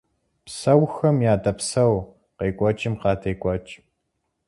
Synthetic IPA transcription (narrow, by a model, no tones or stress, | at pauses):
psɐwxɐmjaːdɐpsɐw | qeːkʷʼɔt͡ʃʼɪmqɑːtʰɐjkʷʼɔt͡ʃʼ